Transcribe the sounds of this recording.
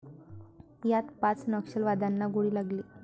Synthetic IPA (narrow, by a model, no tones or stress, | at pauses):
jat̪pat͡snəkɕəlʋad̪ʱanːaɡoɽiːlaɡliː